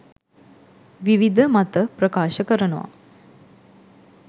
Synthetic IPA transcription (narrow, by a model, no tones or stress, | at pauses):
ʋiʋid̪ʱəmat̪əpɾɐkaːʃəkəɾənuʋa̰